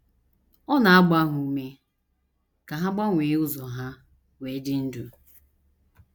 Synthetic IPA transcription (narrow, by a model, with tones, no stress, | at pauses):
ɔ˦na˨a˦ɡ͡ba˦ɦu˦u˦me˦ | ka˨ɦa˦ɡ͡ba˦ŋʷeː˨˦ʊ˦zɔ˨ɦa˦ | weː˨˦dɪ˦n̩˦du˨